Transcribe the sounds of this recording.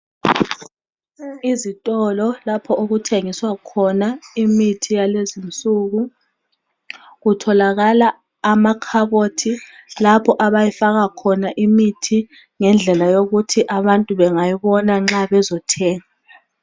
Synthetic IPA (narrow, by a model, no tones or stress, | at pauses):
izitʼɔlɔlapʰɔʔoɣutʰeŋiswakʰɔnaimitʰijalezint͡sʼuɣu | ɣutʰɔlaɣalaː | makʰaβotʰilapʰɔʔaβajifaɣakʰɔnaʔimitʰi | ŋɛnd͡ɮʱɛlajoɣutʰiʔaβantʼuβɛŋajiβɔnaŋ͡ǁaβɛzɔtʰɛːŋa